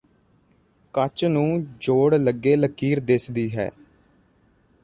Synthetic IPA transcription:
kət͡ʃnũːd͡ʒoːɽləɡːeːləkiːɾd̪ɪsd̪iːɦɛ̰ː

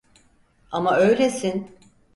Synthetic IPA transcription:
amaø̞jlʲesin

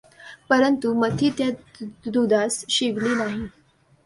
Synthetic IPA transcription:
pəɾənt̪umət̪ʰiːt̪jad̪ud̪ʱasɕiʋliːnaɦi

